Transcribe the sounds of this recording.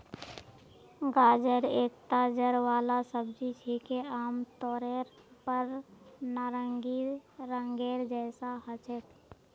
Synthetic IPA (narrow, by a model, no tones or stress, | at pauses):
ɡaːd͡ʒəɾeːkt̪aːd͡ʒəɾʋaːlasəbd͡ʒit͡ʃʰekeaːmt̪ɔːɾeːɾpəɾnaːɾəŋɡiɾə̃ŋɡeːɾd͡ʒɛːsaɦət͡ʃet̪